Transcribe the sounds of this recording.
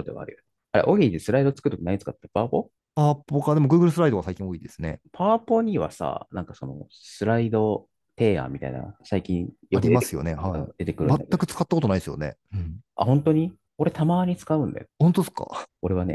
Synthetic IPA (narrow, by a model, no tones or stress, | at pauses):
sod̪eβa̰ɾɯ̰ | aɾḛʔoɡʲiːt̪esɨɾaid̪o̞t͡sɨ̥kɯ̟ɯt̪ːoinaɲ̟t͡sɨkat̪ːepaːpo̞ | paːpokad̪e̞mo̞ɡɯ̟ːɡɯ̟ɾɯsɨɾaid̪o̞asai̥kʲĩoiːd̪esɨne̞̰pʰaːpo̞ɲ̟iβa̰sa̰nãŋkaso̞no̰ | sɨɾaid̪o̞ | t̪e̞ːa̰ːmʲit̪a̰ḭna̰saikʲĩjoaɾʲiemasɨjo̞̰nehaɯ̃ːd̪e̞t̪e̞kɯɾɯ̰̃maat̪ːakɯ̟t͡sɨ̥kat̪ːakot̪onaid̪esɨjo̰ne̞̰ɯ̃a̰hõ̞nt̪o̞ɲ̟i | o̞ɾe̞t̪ʰamaːɲ̟it͡sɨ̥kaɯ̟̃nd̪a̰johont̪oeska̰o̞ɾe̞βane̞̰